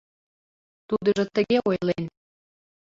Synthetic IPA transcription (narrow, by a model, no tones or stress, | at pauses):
t̪ud̪ə̆ʒɤ̆t̪ə̆ɣeojlen